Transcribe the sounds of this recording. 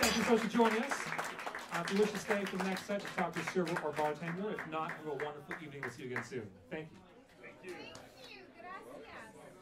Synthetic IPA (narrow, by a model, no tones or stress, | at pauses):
θæ̃ŋk̬jɨsoʊstʰɨd͡ʒɔ̃ɪ̃nŋʌs | fiwɪʃtʰɨsteɪfə˞ðənɛkstsaɪt̚ʰɨ̥tʰɔk̚tʰɨsɜ˞və˞ʔə˞bɑtʰæ̃nə˞ɨfnətəwʌ̃ndə˞fl̩ˠivnɪ̃ŋwɨsiɨɡɛ̃nsʉ̃nθæ̃ŋkjʉ̰ | θæ̃ŋkjʉ